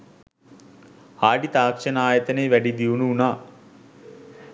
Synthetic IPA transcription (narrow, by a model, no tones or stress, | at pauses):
aːɖit̪aːkʂɐnaːjət̪əneːʋæɖid̪iunuunaː